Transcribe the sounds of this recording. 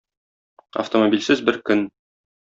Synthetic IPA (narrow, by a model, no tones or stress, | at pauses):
ɐ̰ft̪omobʲilʲsɘzbɘɾkɵn